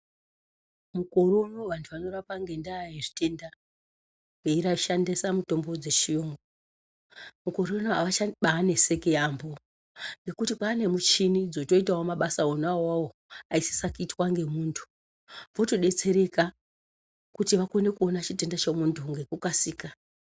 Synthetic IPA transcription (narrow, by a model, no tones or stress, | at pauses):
muko̞rono̞ʋantʰuʋano̞rapaŋɡe̞ndaiʐi̥te̞nda | ŋɡeiɾaʃandisamuto̞mbo̞d͡ze̞ʃijoːŋɡo | muko̞ɾo̞noaaaɓaːne̞se̞kejambo̞ | ŋɡe̞kutipaːne̞mut͡ʃinid͡zo̞to̞itawomaɓasaonawawo | aisi̥sakuitwaŋɡe̞muːntʰu̥ | ʋo̞to̞ɗe̞t͡se̞ɾe̞ka | kutiʋako̞ne̞kuo̞nat͡ʃite̞ndat͡ʃemuntʰuŋɡe̞kukasiːka